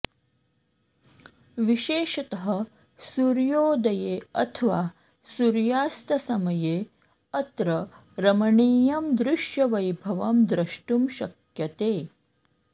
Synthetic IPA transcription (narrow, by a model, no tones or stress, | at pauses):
ʋiʃeːʃɐt̪ɐɦɐ | suɾjoːd̪ɐjeːɐ̰t̪ʰɐʋaː | suɾjaːst̪ɐsɐmɐjeː | ɐt̪ɾɐ | ɾɐmɐɳiːjɐmd̪ɾɪʃjɐʋɐjbʱɐʋɐmd̪ɾɐʃʈumʃɐkjɐt̪eː